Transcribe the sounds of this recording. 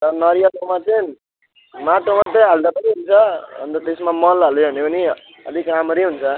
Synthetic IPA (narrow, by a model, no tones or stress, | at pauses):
t̪ʌnʌɾjʌtmat͡sʌ | maʈomat̪ʌɦald̪apʌniɦunt͡sʰʌʌ̰nt̪ʌt̪esmamʌlʌlebʱʌnepʌni | ʌ̰d̪ʱikramʌɾiɦunt͡sʰʌ